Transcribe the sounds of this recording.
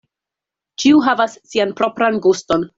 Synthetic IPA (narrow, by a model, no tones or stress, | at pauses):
t͡ʃiuɦavasːianpɾo̞pɾanɡusto̞n